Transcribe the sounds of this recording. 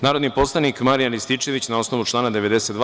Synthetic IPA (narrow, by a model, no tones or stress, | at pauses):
naːɾo̞d̪nipo̞slˠanikmaɾijanlist̪it͡ʃe̞ʋit͡ɕnao̞snoʋut͡ʃlˠaːnad̪e̞ʋe̞d̪eset̪d̪